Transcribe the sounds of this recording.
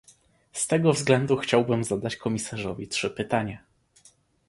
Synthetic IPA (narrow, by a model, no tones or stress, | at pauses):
st̪ɛɡɔvzɡlɛnd̪uxt͡ɕawbɘmzad̪at͡ɕkɔmʲisaʐɔvʲitʂɘpɘt̪aɲa